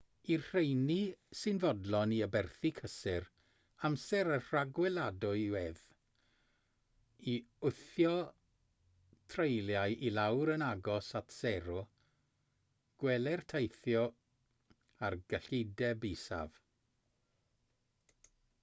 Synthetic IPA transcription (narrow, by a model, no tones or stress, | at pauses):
irr̥ejnisɨnvɔdlɔniəbɛrθikʰəsɪɾ | amsɛɾər̥aɡwɛlˠadʊɨwɛð | iʊθjɔ | tʰrejljajʔilawɾənaɡɔsatʰsɛɾɔ | ɡ̥wɛlɛrtʰejθjɔ | arɡəɬɪdɛbisa̰v